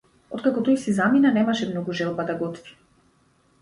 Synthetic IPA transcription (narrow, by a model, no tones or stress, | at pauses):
ɔt̪̚kakɔt̪ɔjsizaminanɛmaʃɛmnɔɡuʒɛlˠbad̪aɡɔt̪vi̥